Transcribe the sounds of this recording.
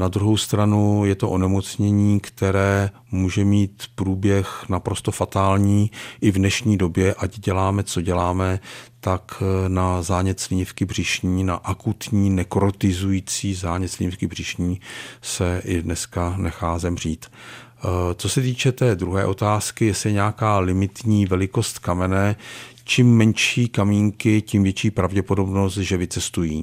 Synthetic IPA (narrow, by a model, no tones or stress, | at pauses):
nad̪ɾuɦo̞wst̪ɾanujɛt̪o̞ʔonɛmot͡sɲɛɲiːkt̪ɛɾɛː | muːʒɛmiːt̪pɾuːbjɛxnapɾo̞st̪o̞fat̪aːlɲiːʔɪvnɛʃɲiːdo̞bjɛʔaɟɟɛlaːmɛt͡so̞ɟɛlaːmɛt̪aknazaːɲɛt̪slɪɲɪfkɪbr̝ɪʃɲiːnaʔakut̪ɲiːnɛkoɾot̪ɪzujiːt͡siːzaːɲɛt̪slɪɲɪfkɪbr̝̥ɪʃɲiːsɛʔɪdnɛskanɛxaːzɛmr̝̥iːt̪ | t͡so̞sɛt̪iːt͡ʃɛt̪ɛːd̪ɾuɦɛːʔo̞t̪aːskɪjɛslɪɲɛakaːlɪmɪt̪ɲiːvɛlɪko̞st̪kamɛnɛː | t͡ʃimːɛnʃiːkamiːŋkɪcimvjɛt͡ʃiːpɾavɟɛpo̞do̞bno̞st̪ʒɛvɪt͡sɛst̪ujiː